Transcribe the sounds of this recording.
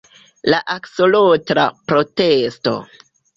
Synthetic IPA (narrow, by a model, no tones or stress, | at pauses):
laʔaksolotɾa̰pɾo̞testo̞̰